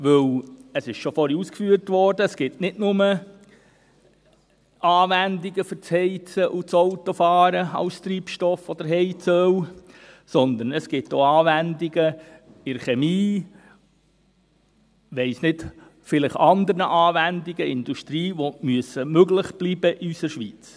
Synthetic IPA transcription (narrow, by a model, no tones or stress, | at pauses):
ʋɵwəsɪʃʃɔfɔɾiuskfyːəɾtʋɔrd̥əːsɡ̥ɪtnɪtnʊmə | ʔɑːʋændiɡəfʏɾt͡shɛɪt͡səʔut͡soʊtɔfɑːɾəɑ̰lst̪ɾiːpʃtɔfɔd̥̪əɾɦɛɪt͡sœwsɔnd̪ənəsɡ̥ɪtːoɑːʋændiɡə | ɪɾχɛmiː | ʋɛɪsnɪd | fɪlɪχɑnd̪əɾnəʔɑːʋændiɡəɪnd̪uʃtɾiːʋomyəsəmøɡlɪχb̥lib̥əʔiysəɾʃʋit͡s